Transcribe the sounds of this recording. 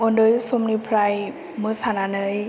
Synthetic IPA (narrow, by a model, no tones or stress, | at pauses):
ondɯjsumnipʰɾaj | mɯsananɯj